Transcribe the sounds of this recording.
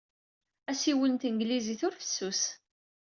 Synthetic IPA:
æsiwənt̪əŋɡliziθʊɾfə̥sːus

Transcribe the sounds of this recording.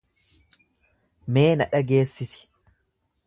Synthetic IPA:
me̞ːnɐᶑɐɡe̞ːsːɪsɪ̥

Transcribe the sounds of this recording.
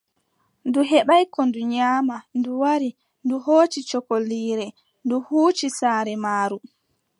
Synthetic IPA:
nduɦɛɓajkɔnduɲaːmanduwaɾi | nduɦoːt͡ʃit͡ʃɔkoliːɾɛ | nduhuːt͡ʃisaːɾɛmaːɾu

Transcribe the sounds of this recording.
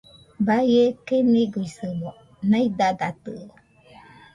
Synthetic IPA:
bajekemiɡuisɨbo | naid̪ad̪at̪ɯ

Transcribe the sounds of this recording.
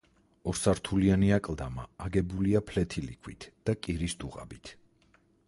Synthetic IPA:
ɔɾsaɾt̪ʰulianiakʼlˠd̪amaːɡɛbuliapʰlɛt̪ʰilḭkʰwit̪ʰd̪̥akʼiɾisd̪uʁa̰bit̪ʰ

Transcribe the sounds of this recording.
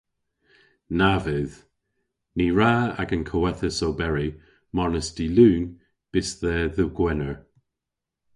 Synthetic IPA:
navɪð | niɹaːa̰ɡənkʰəwɛθəsowbɛɹi | mɔɹnəsd̥iluːn | b̥ɪsðəðəɡwɛnəɹ

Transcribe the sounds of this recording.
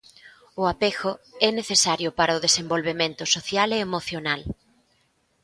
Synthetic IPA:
ʊapexʊɛneθesaɾjʊpaɾɐʊðesembolβemẽnt̪ʊsoθjaleːmoθjonal

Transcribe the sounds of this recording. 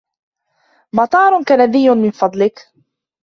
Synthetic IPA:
mɑt̪ˤɑːɾˤʊkanad̪ɪjːʊnmɪnfɑd̪ˤlɪk

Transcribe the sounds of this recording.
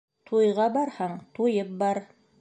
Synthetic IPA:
t̪ʰujʁɑbɑɾhɑɴt̪ujɤp̚bɑɾ

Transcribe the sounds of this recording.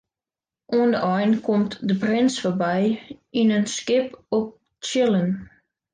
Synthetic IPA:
ʔuəndəʔɔjnkʰɔmtdəprɪnsforbɛjinənskɪpɔp̚ | t͡ʃɪlən

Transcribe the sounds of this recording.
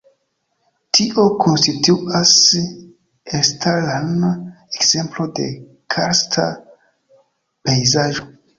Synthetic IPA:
tʰiʔo̞kʰo̞nstituʔas | estʰaɾlan | ekz̥e̞mplo̞de̞̰ | kʰaɾstʰa | pejzaʒo̞

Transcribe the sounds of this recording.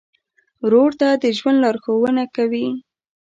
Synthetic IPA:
ɾoɽt̪ad̪əʒwand̪lɑɾxowənakawi

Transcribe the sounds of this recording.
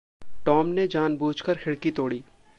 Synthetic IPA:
ʈɔːmned͡ʒaːnbuːt͡ʃkəɾxʰɪɽkit̪oːɽiː

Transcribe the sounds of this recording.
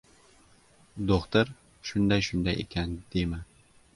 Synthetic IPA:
d̪oχt̪ʊɾ | ʃʊnd̪ajʃʊnd̪ajḛkʲʰand̪̥ema

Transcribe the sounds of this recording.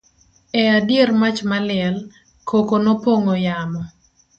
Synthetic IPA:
ɛadjermat͡ʃmalɪɛl | kokonopoŋojamɔ

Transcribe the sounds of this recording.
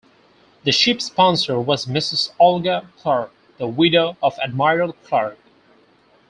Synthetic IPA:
ðɨʃɪpspɑ̃nsə˞wʌzmɪsɨzɔlˠɡəkʰl̥ɑɹk̚ | ðəwɪɾoʊʌvɨd̚maɪɹəlˠkʰl̥ɑɹk̚

